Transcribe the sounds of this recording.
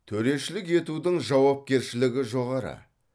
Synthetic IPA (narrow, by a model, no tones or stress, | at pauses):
t̪ʰɵɾe̞ʃɪlɪke̞t̪ud̪ɪŋʒɑwɑp̚kʲe̞ɾʃɪlɪɡʲɪʒo̞ʁɑɾə̰